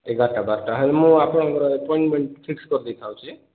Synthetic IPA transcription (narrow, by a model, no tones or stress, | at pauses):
eɡʱaʈabaɾʈaɦɔlemũapɔɽ̃ɔ̃ɡɔɾɔepɔiɳʈmeɳʈpʰikskɔɾd̪ejt̪ʰawt͡ʃʰi